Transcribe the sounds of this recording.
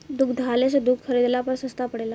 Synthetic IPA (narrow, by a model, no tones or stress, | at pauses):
d̪ukd̪ʱalesəd̪ukxʰəɾid̪lapəɾsəst̪apəɽela